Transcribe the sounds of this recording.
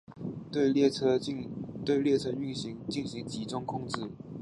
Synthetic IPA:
t̪e˥˧ɪ˥˧˥t̪we˥˧ɪljɛ˥˩t͡sʰɤ˥˧y˥˩nɕi˧˥ŋt͡ɕi˥˩nɕi˧˥ŋt͡ɕi˧˥ʈ͡ʂʊ˥ŋkʰʊ˥˧ŋʈ͡ʂɻ̩˥˩

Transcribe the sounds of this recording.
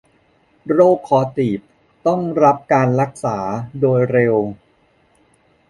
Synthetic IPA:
ɾoː˥˩kʰːɔː˧˩t̪iː˨˩p̚ | t̪ɔ˥˩ŋɾa˦˥p̚kaː˧nɾa˦˥k̚saː˩˦doː˧jɾe˧w

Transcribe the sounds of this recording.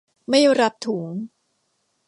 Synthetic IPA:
ma˥˩jɾa˦˥p̚t̪ʰuː˩˦ŋ

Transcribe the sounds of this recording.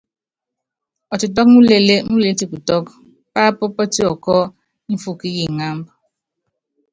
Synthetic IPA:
ɔ˨tʊ˨t̬ɔ˦knu˦le˨le˦nu˦le˨e˦ti˦ku˨tɔ˦k | pa˦pɔ˦pɔ˦ti˦ɔ˨kɔ˦ | n̩˦fu˦ki˦ji˨ŋa˦m˦b

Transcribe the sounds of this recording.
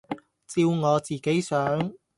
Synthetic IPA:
t͡siː˧wŋɔː˨˧t͡siː˨˩ke˨˥jsœː˨˥ŋ

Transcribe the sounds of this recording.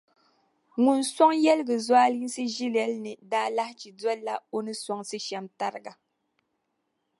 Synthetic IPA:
ŋu˨n̩sɔ˦ŋjɛ˦lɨ˦ɡɨ˨zwaː˦li˦n˦sɨ˦ʒi˦lɛ˦lnɨ˨daː˦la˦ht͡ʃi˨dɛ˦lːa˨o˦nɨ˦sɔ˦ŋsɨ˦ʃa˨mta˦ɾɨ˦ɡa˨

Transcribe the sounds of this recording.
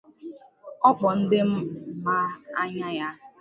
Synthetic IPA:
ɔ˦k͡pɔ˨n̩˦dɪ˦m̩˦ma˦a˦ɲa˦ja˦

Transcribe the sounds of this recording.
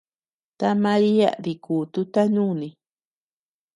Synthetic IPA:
t̪a˦mã˧ɾi˦a̰˦ði˧kuː˨t̪u˦t̪a˦ɲũ˦nĩ˧

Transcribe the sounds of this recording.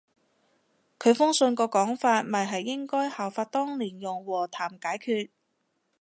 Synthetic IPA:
kʰɵ˨˧ɥfʊ˥ŋsɵ˧nkɔː˧kɔː˨˥ŋfaː˧t̚mɐ˨˩jɦɐ˨jːɪ˥ŋkɔː˥jhaː˨˩wfaː˧t̚t̪ɔː˥ŋliː˨˩njʊ˨˩ŋwɔː˨˩t̪ʰaː˨˩mkaː˨˥jkʰyː˧t̚

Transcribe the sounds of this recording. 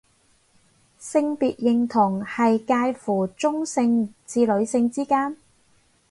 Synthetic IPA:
sɪ˧ŋpiː˨t̚jɪ˨˩ŋt̪ʰʊ˨˩ŋhɐ˨jkaː˧jfuː˨˩t͡sʊ˥ŋsɪ˧ŋt͡siː˧lɵ˨˧ɥsɪ˧ŋt͡siː˥kaː˥n

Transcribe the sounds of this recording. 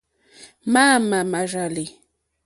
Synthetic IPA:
ma˦ma˨ma˨ʐa˨lɪ˨

